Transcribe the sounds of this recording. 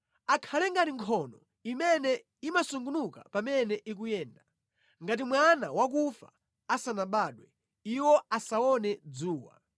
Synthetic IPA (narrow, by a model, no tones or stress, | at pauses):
akʰalɛŋɡatiŋkʰɔnɔ | imɛnɛ | imasuŋɡunuka̰pamɛnɛʔik̬ujɛːnda | ŋɡat̬imwana̰wak̬ufa̰ | asanaɓaːɗwɛ | iwɔasaɔnɛd͡zuːwa̰